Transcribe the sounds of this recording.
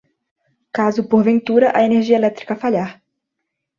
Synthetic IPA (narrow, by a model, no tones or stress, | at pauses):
kazʊpoɾvẽnt̪uɾɐʔɐeneʁʒiɐelɛt̪ɾikɐfaʎaɾ